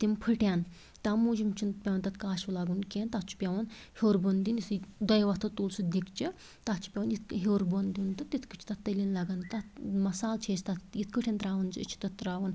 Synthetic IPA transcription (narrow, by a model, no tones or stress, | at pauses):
t̪impʰɨʈʲjan | t̪amud͡ʒimt͡ʃʰinpʲɐʋɐnt̪ɐt̪kaːʃulaːɡuːnkent̪att͡ʃʰu̥pʲeʋɐn | hewɾbond̪inisd̪ɐjʋat̪ʰɐt̪uːlsud̪ikt͡ʃi | t̪at͡ʃʰi̥pʲeʋɐnit̪kɦewɾbond̪ʲiːnt̪ɐt̪it̪ʰkət͡ʃʰi̥t̪ɐt̪ːɐlinlaɡant̪amɐsaːlt͡ʃʰeːst̪at̪it̪kəʈʰʲent̪ɾaːʋɐnzɨḭt͡ʃʰi̥t̪ɐt̪ːɾaːʋɐn